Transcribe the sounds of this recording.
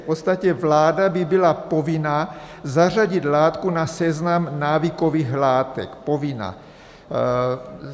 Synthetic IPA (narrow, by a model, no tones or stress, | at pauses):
pot̪st̪acɛvlaːdabɪbɪlapo̞vɪnazar̝aɟɪt̪laːt̪kunasɛznamnaːviko̞viːxlaːt̪ɛ̰kpo̞vɪna̰